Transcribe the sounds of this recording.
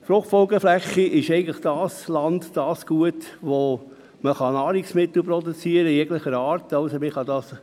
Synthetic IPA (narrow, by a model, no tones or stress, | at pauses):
fɾʊχfɔlɡəflæχːiʔɪʃɛɪɡən̩tləχd̥ɑːslɑndd̥ɑːsɡ̥uətʋo | məχɑnɑːɾiksmɪt̪l̩pɾɔdut͡siəɾəjɛɡləχəɾɑːɾtɑʊsomɪχɑdɑːs